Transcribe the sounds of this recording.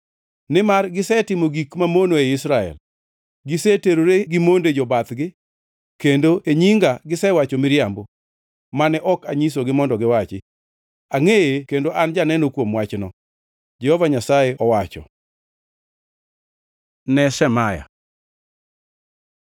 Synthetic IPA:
nɪmarɡɪsɛtɪmoɡikmamonoeɪsɾaɛ̰l | ɡɪseteɾoɾeɡɪmonded͡ʒɔbat̪ɡɪ | kendoʔeɲiŋɡaɡɪsɛwat͡ʃɔmɪɾjambo | manɛʔɔkaɲis̬oɡɪmɔndɔɡɪwat͡ʃɪ | aŋejekendoʔand͡ʒanɛnokwomwat͡ʃnɔ | d͡ʒɛhɔvaɲasajeɔwat͡ʃɔ̰ | nɛsɛmaja̰

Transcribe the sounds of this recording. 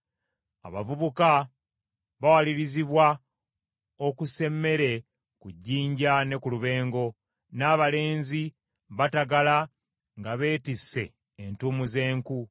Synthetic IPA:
a̰βa̰vuβuka | βawaliɾiziβwa | okuse̞mːe̞ɾe̞ | kuɟːiːɲɟane̞kuluβe̞ːŋɡo̞ | naːβale̞ːnzi | βataɡala | ŋɡaβe̞ːtisːe̞̰ː | ntuːmuze̞ːŋku

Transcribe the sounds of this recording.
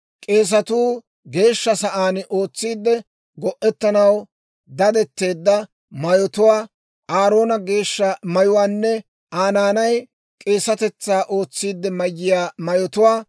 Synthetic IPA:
kʼe̞ːs̬ɐt̪uː | ɡe̞ːʃːɐsɐʔaːnʔo̞ːt͡sːiːd̪ːɛ | ɡɔʔɛt̪ːɐnɐw | d̪ɐd̪ɛt̪ːe̞ːd̪ːɐ | mɐjɔt̪ʊwaː | ʔaːɾo̞ːnɐɡe̞ːʃːɐmɐjʊwaːnːɛ | ʔaːnaːnɐj | kʼe̞ːsɐt̪ɛt͡sːaːʔo̞ːt͡sːiːd̪ːɛmɐjːɪjaːmɐjɔt̪ʊwaː

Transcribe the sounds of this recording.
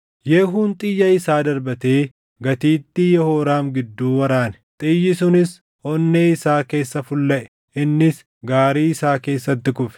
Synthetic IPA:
jeːɦuːnt̪ʼɪjːɐɪsaːd̪ɐɾbɐt̪eː | ɡɐt̪iːt̪ːɪjɛhoːɾaːmɡɪd̪ːuːwɐɾaːnɛ̥t̪ʼɪjːɪsʊnɪs | ɔnːeːɪsaːke̞ːsːɐfʊlːɐʔɛ̥ | ʔɪnːɪs | ɡaːɾiːɪsaːke̞ːsːɐt̪ːɪkʊfɛ̥

